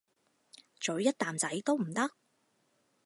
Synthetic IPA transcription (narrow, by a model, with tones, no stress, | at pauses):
t͡ʃɵ˨˥ɥjɐ˥t̚t̪aː˨mt͡sɐ˨˥jt̪o˥wm̩˨˩t̪ɐ˥k̚